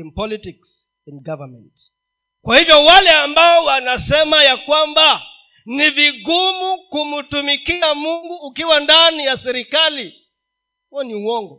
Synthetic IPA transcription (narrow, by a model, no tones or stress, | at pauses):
inpɔlitiks | ɛnɡavamɛ̰̃nt | kwahivjɔwalɛambaɔwanasɛmajakwamba | niviɡumukumutumikiamuŋɡuːkiwandanijasɛɾikali | huɛniuwɔŋɡɔ